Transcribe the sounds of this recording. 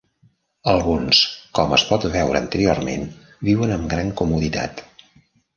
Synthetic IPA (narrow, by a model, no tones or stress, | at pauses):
əlˠɣunskɔməspɔt̪βɛwɾəːnt̪əɾiormḛn | biwənəmɡɾaŋkumuðit̪a̰t̪